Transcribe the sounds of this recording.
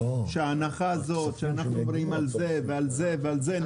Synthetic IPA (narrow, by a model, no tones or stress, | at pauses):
ʃeaːnaχaːzo̞tʃeanaχnumvɾiimalze̞vealze̞vealze̞n